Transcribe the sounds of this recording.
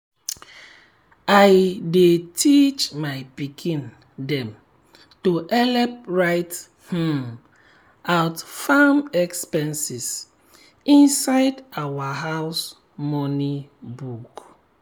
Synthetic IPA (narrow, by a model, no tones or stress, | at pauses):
ajdetʰit͡ʃmaɪpikʰĩn | dɛ̃m | toʔɛlɛp̚ɹaɪt | h̩ | awtfamɛkspɛ̃nsis | ĩnsaɪdawaɦas | mɔnibuk